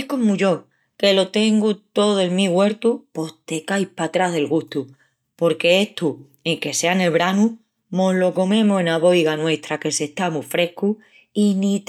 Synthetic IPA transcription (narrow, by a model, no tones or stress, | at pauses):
ko̞muʝo̞ | ke̞lo̞t̪e̞ŋɡut̪o̞ðoeŋmĩɣwe̞ɾt̪upo̞ht̪e̞kajpat̪ɾaðe̞lɣuht̪u | po̞ɾke̞eht̪u | e̞ŋke̞se̞ane̞lβɾanu | moɦlo̞ko̞mẽ̞moenaβo̞jɣanwe̞ht̪ɾake̞se̞ht̪amufɾe̞hku | init̪